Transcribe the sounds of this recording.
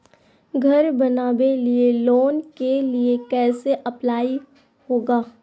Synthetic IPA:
ɡʱɐɾbɐnaːbelieloːnkeliekɛːseʔɐplaːi | hoːɡaː

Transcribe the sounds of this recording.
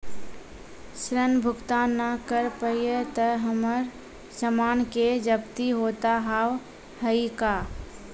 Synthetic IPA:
sɾənbʱʊkt̪anːakəɾpəjjət̪əɦəməɾ | səmaːnked͡ʒəbt̪iɦot̪aɦaw | həika

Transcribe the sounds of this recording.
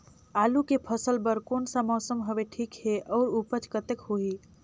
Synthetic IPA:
aːlukepʰəsəlbəɾkoːnsamɔːsəmɦəʋeʈʰiːkɦeʔɔːɾupət͡ʃkət̪ekhoi

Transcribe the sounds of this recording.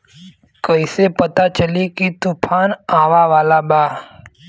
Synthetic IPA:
kəisepɐt̪at͡ʃəlikit̪upʰaːnaːʋaʋaːlabaː

